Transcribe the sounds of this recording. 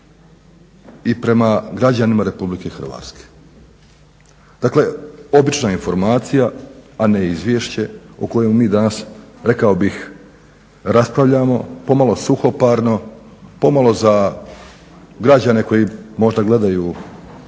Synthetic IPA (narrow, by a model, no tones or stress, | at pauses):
ipɾe̞maɡɾad͡ʑanimaɾe̞publike̞xr̩ʋa̰ːt̪ske̥ | d̪akle̞o̞bit͡ʃnainfo̞ɾmaːt̪sijaane̞izʋje̞ːʃt͡ɕe̞uko̞jemumiːd̪anasɾe̞kao̞bix | ɾaspɾaʋʎaːmo̞̰po̞malˠo̞suxo̞paːɾno̞po̞malˠo̞za | ɡɾad͡ʑane̞ko̞jimo̞ʒd̪aɡle̞d̪ajuː